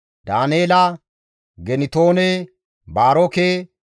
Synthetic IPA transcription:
d̪aːneːlɐ | ɡɛnɪt̪oːne | baːɾoke

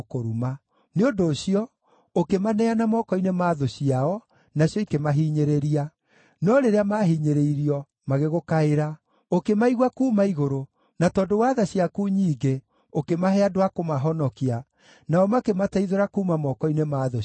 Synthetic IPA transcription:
koɾuma | neondoːɕiɔ | okemanɛanamɔkɔinemaðoɕiaɔ | naɕjɔikemaɦiɲeɾeɾia | nɔɾeɾeamaɦiɲeɾeiɾiɔ | maɣeɣokaeɾa | okemaiɣwakuːmaiɣoɾo | natɔːndowaðaɕiakuɲiːɡe | okemaɦɛadowakomaɦɔnɔkia | naɔmakemataiðoɾakumamɔkɔinemaːðo

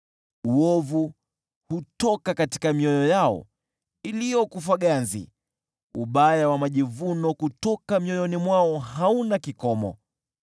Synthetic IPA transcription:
uɔvu | hutɔkakati̥kamiɔjɔjaɔ̰ | ilijɔkuf̬aɠanzḭ | uɓajawamaʄivunɔkutɔkamiɔjɔnimwaɔɦaunakikɔmɔ̰

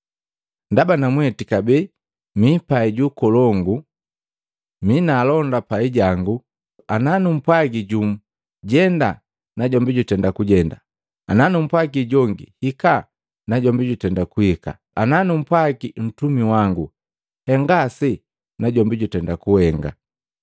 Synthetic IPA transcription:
ndabanamwɛtikabɛ | mipaiɟukɔlɔŋɡu | minaːlɔndapaiɟaŋɡu | ananum̩pwaɡiɟum̩ | ɟɛnda | naɟɔmbiɟutɛndakuɟɛnda | a̰nanum̩pwaɡiɟɔŋɡḭhika | naɟɔmbiɟutɛndakuhika̰ | ananum̩pwaɡin̩tumiwaŋɡu | hɛŋɡasi | naɟɔmbiɟutɛndakuhɛŋɡa̰

